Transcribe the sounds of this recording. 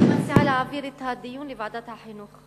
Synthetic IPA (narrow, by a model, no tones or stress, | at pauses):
masiʕalaʕabiːɾɪt̪ːahad̪ːɪjːuːnlɪbaʕd̪at̪haħajnuːk